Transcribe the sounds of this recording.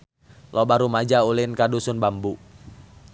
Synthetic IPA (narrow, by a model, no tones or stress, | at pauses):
lɔbaɾumad͡ʒaulɪnkadusʊnbambu